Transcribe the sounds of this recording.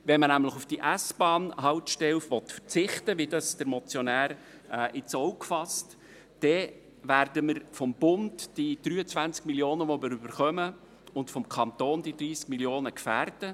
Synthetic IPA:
ʋɛnmənæmləχufd̥iʔæsb̥ɑːnɦɑwt̪ʃtɛwfʋɔt̪fə̥t͡sɪχtəʋidɑsd̥əɾmɔt͡sjɔnæːɾ | ɛːʔɪt͡sɔwkfɑst | d̥ɛ | ʋæːrdəməɾfɔmb̥ʊndd̥id̥ɾyːət͡sʋænt͡skmiljoːnəʋɔməɾybəɾχœmə | ʊntfɔmkʰɑnt̪oːnd̥̪id̪ɾiːskmiljoːnəkfæːrdə

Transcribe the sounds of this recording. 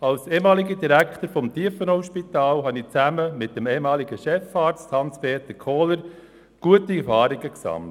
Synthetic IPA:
ɑlseːmɑːliɡədiɾæktəɾfɔmtiːəfənɔʊʃpitɑːlɦɑnit͡sæməmɪt̚d̥əmeːemɑːliɡəʃɛfɑːɾt͡sthɑnspeːtəkʰoːləɾ | ɡ̥uətiɛɾfɑːɾɪɡəksɑ̰mlt

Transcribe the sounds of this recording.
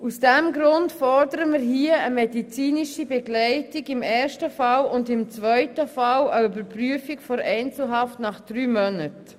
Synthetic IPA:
usd̥ɛmɡɾʊntfɔɾdəɾəmɪɾɦiəəmɛdit͡siːniʃibɛɡlɛɪtiɡɪmɛːɾʃtəfɑlʊndɪmt͡svœʏtəfɑləybəɾpryəfikfɔɾɛɪnt͡sl̩ɦɑftnɑχd̥ɾyːmœnət

